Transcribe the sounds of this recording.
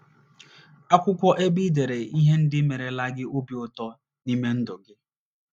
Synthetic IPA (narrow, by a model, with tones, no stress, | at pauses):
a˦kʷʊ˦kʷɔ˦ʔe˦bi˦de˨ɾe˨i˦ɦe˦n̩˦dɪ˦me˨ɾe˨la˦ɡɪ˦ʔo˦bi˨ʊ˦tɔ˦ | ni˦me˦n̩˦dʊ˨ɡɪ˦